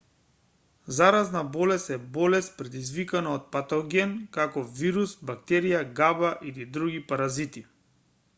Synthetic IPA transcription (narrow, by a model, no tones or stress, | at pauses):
zaɾaznabɔlɛst̪ɛbɔlɛst̪̚pɾɛd̪izvikanaɔt̪̚pat̪ɔɡɛnkakɔviɾusbakt̪ɛɾijaɡabaʔilid̪ɾuɡipaɾazit̪i